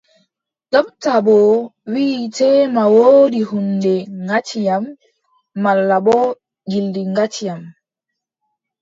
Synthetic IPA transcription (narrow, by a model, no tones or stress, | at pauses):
ɗɔɓtabɔwiːtɛːmawoːdihundɛŋɡat͡ʃijamː | alːabɔ | ɡildiŋɡat͡ʃijam